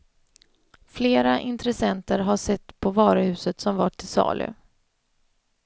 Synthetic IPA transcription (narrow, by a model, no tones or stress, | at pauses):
fleːɾaʔɪnt̪ɾɛsɛnt̪əɾɦaʂɛt̪ːpʰɔvɑːɾəhʉ̟ːsət̪sɔmvaʈʰːɪsɑ̰ːlʔʏ̰